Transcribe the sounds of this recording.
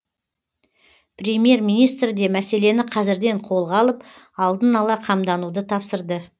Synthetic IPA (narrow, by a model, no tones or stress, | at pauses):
prʲemje̞rmʲijnijst̪ɾɪd̪e̞mæse̞le̞nɪqʰɑzɪɾd̪e̞ɴqʰo̞lˠʁɑlˠəp | ɑlˠd̪ənɑlˠɑqʰɑmd̪ɑnud̪ət̪ʰɑpsəɾd̪ə